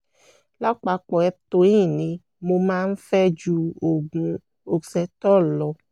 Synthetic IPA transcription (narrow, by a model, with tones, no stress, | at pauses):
la˦k͡pa˨˦k͡pɔ˨ɛ˦t̪o˧˦ĩ˦˨nĩ˧ | mo˧mã˦n̩˦fɛ˦d͡ʒu˧o˨ɡũ˨ | o˨sɛ˨˦t̪ɔ˦˨lɔ˨˦